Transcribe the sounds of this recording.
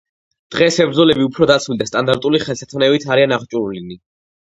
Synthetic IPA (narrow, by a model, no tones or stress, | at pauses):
d̪̥ʁɛsɛbɾd̪zɔlɛbiupʰɾɔd̪at̪sʰmild̪ast̪ʼand̪aɾt̪ʼuliχɛlˠsat̪ʰmnɛvit̪ʰaɾianaχt͡ʃʼuɾlini